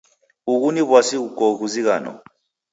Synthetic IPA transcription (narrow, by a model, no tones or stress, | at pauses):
uk̬uniβwasiukɔɣuziɣa̰ːnɔ̰